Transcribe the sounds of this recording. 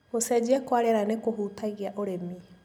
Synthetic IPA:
osɛd͡ʑɛkwaɾeaɾanekoɦuːtaɣiaʔoɾemi

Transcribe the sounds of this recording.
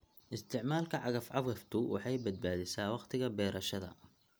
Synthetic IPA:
ʔɪst̪ʰɪʕmaːlkʰɐʕɑɣɐfʕɑβɣɐft̪ʰʊwʔɑ̰ħɑjbɐd̪̚baːðɪsaːwɑqt̪ʰɪɣɐbɛːɾɐʃɐðɐ̰

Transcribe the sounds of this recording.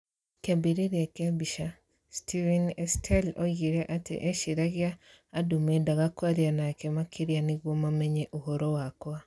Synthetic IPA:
kebiɾeɾjakeabiʃa | stʰivɛnɛstʰɛloɣiɾɛʔatḛʔeʃiɾaɣjaː | dumedaɣakwaɾianakemakʰiɾjaniɣwɔmamɛɲɛʔohoɾowakwa

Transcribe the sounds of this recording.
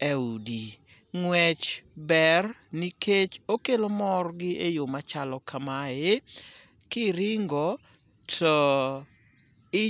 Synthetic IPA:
eudi | ŋwɛt͡ʃbɛrniket͡ʃokelomɔrɡɪejomat͡ʃalɔkamaje | kɪɾɪŋɡɔ | tʰɔ | ɪ

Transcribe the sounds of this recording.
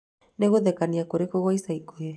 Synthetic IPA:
neɣoðekaniakoɾekoɣajsajkoe

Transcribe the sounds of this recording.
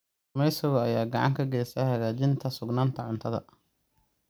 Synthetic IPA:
mɛjsɐɣʊɐjaːɡɑʕɑ̰ŋkʰɐɡɛːsɐjhɐɣaːt͡ʃɪnt̪ʰɐsʊɡnaːnt̪ʰɐʕʊnt̪ʰɐðɐ̰

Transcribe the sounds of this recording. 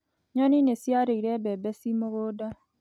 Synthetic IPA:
ɲɔninesjaɾeiɾɛbɛbɛsimoɣoːda

